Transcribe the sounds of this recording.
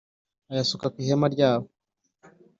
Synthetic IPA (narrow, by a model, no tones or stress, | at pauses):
ajasukakwihɛmaɾɟaβɔ